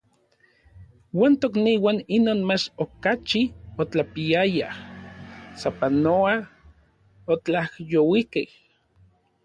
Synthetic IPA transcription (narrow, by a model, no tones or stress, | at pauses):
waːnt̪okniːwaninoːnmat͡ʃokat͡ʃiot͡ɬapiaja | sapanoa | ot͡ɬahjowikḛh